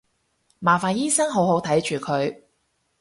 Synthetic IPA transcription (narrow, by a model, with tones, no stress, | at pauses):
maː˨˩faː˨njiː˥sɐ˥ŋɦo˨˥wɦo˨˥wt̪ʰɐ˨˥jt͡ʃyː˨˩kʰɵ˨˧ɥ